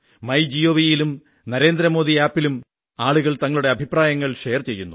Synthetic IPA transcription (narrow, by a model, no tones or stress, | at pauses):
mɐjd͡ʑijoːʋijilum | nɐɾe̞ːnd̪ɾɐmo̞ːðiaːpːilum | aːɭuɣɐɭt̪ɐŋːɐɭuɽe̞ɐbʱipraːjɐŋːɐɭʂejɐrt͡ɕe̞jːunːu